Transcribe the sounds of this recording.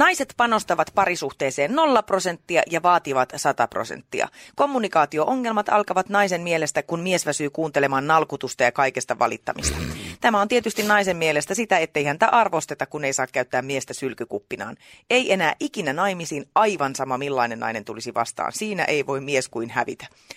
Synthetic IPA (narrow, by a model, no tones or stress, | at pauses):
nɑiset̪pɑno̞st̪ɑʋɑt̪pɑɾisuht̪eːseːnno̞lːɑpro̞se̞nt̪ːiɑjɑʋɑːt̪iʋɑt̪sɑt̪ɑpro̰sḛnt̪ːḭɑ̰ko̞mːunikɑːt̪io̞ʔoŋːe̞lmɑt̪ɑ̰lkɑʋɑt̪nɑisemmielest̪ækunmiesʋæsyːkuːnt̪elemɑːnnɑlkut̪ust̪ɑjɑkɑikest̪ɑʋɑ̰lit̪ːɑmḭst̪ɑ̥t̪æmæont̪iet̪yst̪innɑisemmielest̪æsit̪æet̪ːeihænt̪æʔɑrʋo̞st̪et̪ɑkuneisɑːkkːæyt̪ːæːmmiest̪æsylkykupːinɑ̰ːneiʔe̞næːʔikinænɑimisiːnɑiʋɑnsɑmɑmilːɑinenːɑ̰ine̞nt̪ulisiʋɑ̰st̪ɑ̰ːnsiːnæ̰ʔeiʋo̞immieskuinhæʋḭt̪æ̥